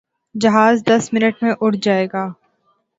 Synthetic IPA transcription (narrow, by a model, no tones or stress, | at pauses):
d͡ʒɐɦaːzd̪ɐsmɪnəʈmẽʔʊɽd͡ʒaːeːɡaː